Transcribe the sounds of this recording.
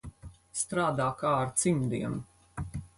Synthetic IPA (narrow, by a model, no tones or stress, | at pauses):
st̪ɾaːd̪aːkaːɾt̪simd̪iɛnu